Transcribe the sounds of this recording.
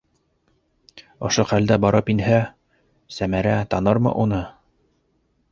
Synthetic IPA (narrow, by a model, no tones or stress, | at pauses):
ŏʃoχæld̪æbɑɾɤpinɦæ | sæmæɾæt̪ɑnɤɾmɤ̰ʔunɤ